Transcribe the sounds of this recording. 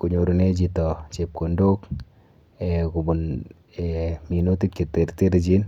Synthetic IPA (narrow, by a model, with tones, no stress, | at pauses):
ku˨ɲo˨ɾu˨ne˦d͡ʒitɔ˨t͡ʃep̚ko˨ndo˦k | eku˨bu˨n | emi˨no˦ti˦k̚t͡ʃi˨te˨ɾte˦ɾd͡ʒi˦n